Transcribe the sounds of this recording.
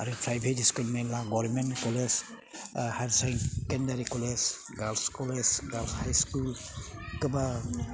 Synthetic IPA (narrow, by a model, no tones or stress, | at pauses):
aɾupʰɾajbʱetiskulmelaɡɔɾmentkɔles | halsaŋkendaɾikɔles | ɡalskɔlesɡalshajskulkɯba